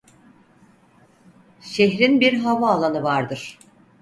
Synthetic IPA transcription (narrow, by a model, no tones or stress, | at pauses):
ʃeɦɾinbiɾɦavaːlˠanɯvaɾd̪ɯɾ̥